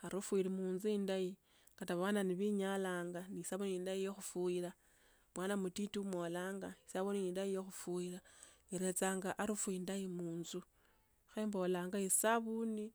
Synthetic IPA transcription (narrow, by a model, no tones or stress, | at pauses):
aɾufuiɾimuːnzuindaji | kataβwananiβiɲalaːŋɡanisaβuniiːndaijoxufuiɾa | mwaːnamutitiumwo̞laːŋɡaisaβuniniːndaijoxufuiɾaiɾe̞t͡saːŋɡaʔaɾufuindaimuːnzu | xambo̞laːŋɡaisaβuni